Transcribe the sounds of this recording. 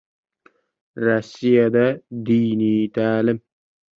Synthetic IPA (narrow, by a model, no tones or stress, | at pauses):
ɾɑsijad̪ad̪iːnit̪ʰaːlɪm